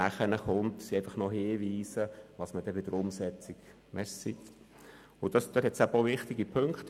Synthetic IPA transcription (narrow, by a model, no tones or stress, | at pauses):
æχənəχʊnt̪sieɪfɑχnɔɦɪːʋiːsəʋɑsməd̥ɛʋɪd̥̪əɾʊmsɛt͡siɡ | mɛssit | ʊd̥̪ɑsd̥øthɛtsæboʋɪχt̪iɡipʰɵŋkt̪